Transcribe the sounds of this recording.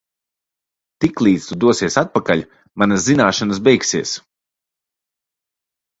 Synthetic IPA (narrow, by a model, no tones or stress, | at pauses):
t̪iklˠiːt̪st̪ud̪uɔsiɛsat̪̚pakaʎʲ | manaszinaːʃanas̬bɛjksiɛs